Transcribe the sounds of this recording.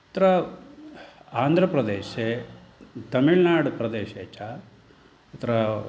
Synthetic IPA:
t̪ɾɐ | aːnd̪ʱɾɐpɾɐd̪eːʃe | t̪ɐmiɭnaːɖpɾɐd̪eːʃeːt͡ʃa | ɐt̪ɐɾɐ

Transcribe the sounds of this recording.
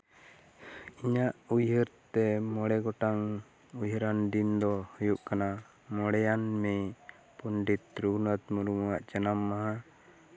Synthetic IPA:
iɲaʔujɦəɾt̪ɛmɔɽɛɡɔʈaŋ | ujɦəɾand̪ind̪ɔhujuʔkana | mɔɽɛjanmɛ | punɖit̪ɾuɡnət̪muɾumuwaʔd͡ʒənamːaɦa

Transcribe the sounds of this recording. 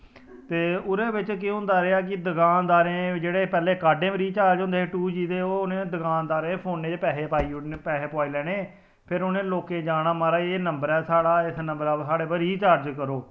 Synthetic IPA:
t̪eːʊɾeːʋɪt͡ʃk̬ɪ̃ɦʊ̃nd̪aːɾeːaːk̬ɪd̪əkaːnd̪aːɾẽːd͡ʒeːɽeːpɛːleːkaːɖẽːbəɾiːt͡ʃaːɾd͡ʒʊ̃nd̪eːʈuːd͡ʒiːd̪eːoːʊnẽːd̪əkaːnd̪aːɾẽːpʰoːnːeːd͡ʒpɛːɦeːpaːiːepɛːɦeːpaːiːlɛːɽeː | pʰɪɾʊnẽːloːkẽːd͡ʒaːɽ̃aːmaːɾaːeːnəmbəɾɛːsaːɽaːɪsnəmbəɾaːsaːɽeːpəɾiːt͡ʃaːɾd͡ʒkəɾoː

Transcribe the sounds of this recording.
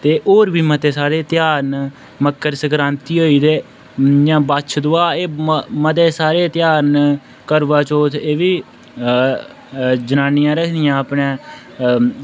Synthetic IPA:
t̪eːʔoːɾbiːmət̪eːsaːɾeːt̪jaːɾn | məkʰːəɾsəkɾãːnt̪iːɦoːiːd̪eː | d͡ʒãːbat͡ʃʰd̪ʊaːeːmət̪̬eːsaːɾeːt̪ɪjaːɾn | kəɾʋaːt͡ʃoːt̪ʰeːʋiː | d͡ʒənaːnɪjãːɾəkʰd̪ɪjãːəpnẽː

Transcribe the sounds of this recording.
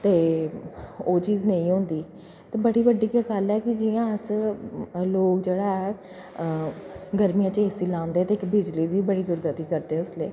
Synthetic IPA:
t̪eː | oːt͡ʃiːznə̃ĩːɦõːnd̪iː | t̪eːbəɽiːbəɖiːkəkalɛːkɪd͡ʒijãːəs | loːkd͡ʒeːɽaːɛː | ɡəɾmijãːt͡ʃeːsiːlãːnd̪eɛːt̪eːɪkbɪd͡ʒliːd̪iːbəɽiːd̪ʊɾɡət̪iːkəɾd̪eːʊsleː

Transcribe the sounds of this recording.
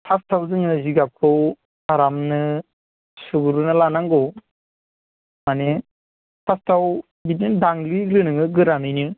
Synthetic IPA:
pʰastʰawzɯŋnaziɡap̚kʰɯw | aɾamnɯ | suɡuɾunɯlanaŋɡɔw | mane | pʰastʰaw | bitindaŋlilɯnɯŋɯɡɯɾanɯjnɯ

